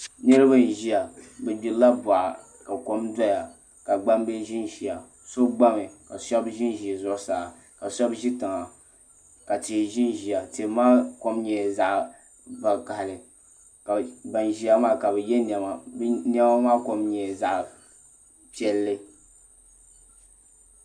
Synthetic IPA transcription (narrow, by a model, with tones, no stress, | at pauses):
nɨ˦ɾɨ˦ba˦n˨ʒi˦ja˨bɛ˨bʲi˨la˦ba˨ʔa̰˨ | ka˨ko˦mda˦ja˨ | ka˨ɡ͡ba˦mbɛ˦ʒi˦nʒi˨a˨ | so˦bɡ͡ba˦mɨ˨ka˨sɔ˦bʒi˦nʒi˨zʊ˦ʔsaː˨ | ka˨sɔ˦bʒi˦tɨ˨ŋa˨ | ka˨ti˨ʒi˦nʒi˨a˨te˨˦maː˦ko˦mɲɛ˨za˦ʔ | ba˨ka˨ha˨lɨ˨ | ka˨ba˨nʒi˦ja˦maː˦ka˨bɛ˨jɛ˦nɛ˨ma˨bn˦ɛ˦ma˦maː˦ko˦mɲɛ˨za˨ʔ | pi˦ɛ˦lːɨ˦